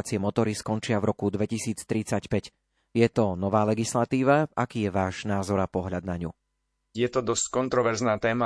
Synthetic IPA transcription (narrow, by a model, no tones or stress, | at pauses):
t͡siɪɛmɔt̪ɔɾiskɔnt͡ʃɪavɾɔkud̪ʋɛcisiːt͡st̪ɾit͡sacpɛc | jɛt̪ɔnɔʋaːlɛɡislat̪iːʋaakiːjɛʋaːʒnaːzɔɾapɔɦʎad̪naɲṵ | jɛt̪ɔd̪ɔsckɔnt̪ɾɔʋɛɾznaːt̪ɛːma